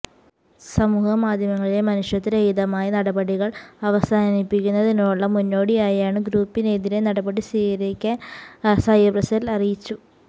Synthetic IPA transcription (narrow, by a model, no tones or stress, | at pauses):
sɐmuːhɐmaːd̪ʱjɐmɐŋːɐɭile̞mɐnuʂjɐt̪ːineejðɐmaːjɐnɐɽɐbɐɽiɣɐɭɐʋɐsaːnipːikʲːunːɐðinuɭːɐmunːo̞ːɽijaːjaːɳɨɡɾuːpːineðiɾe̞nɐɽɐbɐɽisiːɣɐɾikʲːɐsɐjɐbrɐsɐlɐrijit͡ɕːu